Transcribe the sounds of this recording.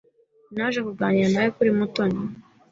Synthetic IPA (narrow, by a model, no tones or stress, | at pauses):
naʒekuɾɡaːɲianajekuɾimutona